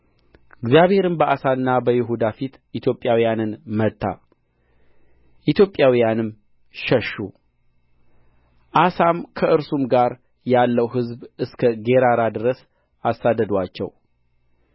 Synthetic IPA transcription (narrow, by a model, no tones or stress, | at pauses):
ɪɡzjaβhe̞ɾɨmbəʔasanɨnːabəjɪɦud̪afit̪ʔit̪ʰjo̞pʼːjawijanɨnmət̪ːa̰ | ʔit̪ʰjo̞pʼːjawijanɨm | ʃəʃːu | ʔasamkʰəɨɾsumɡaɾ | jalːəwɦɨzbɨskʰəɡe̞ɾaɾad̪ɨɾəs | asːad̪əd̪wat͡ʃːɛ̰w